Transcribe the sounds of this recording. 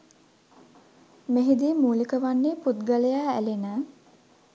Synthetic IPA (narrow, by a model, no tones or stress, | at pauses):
meɦid̪iːmuːlikəʋanːeːput̪ɡaləjaːæ̰lenaː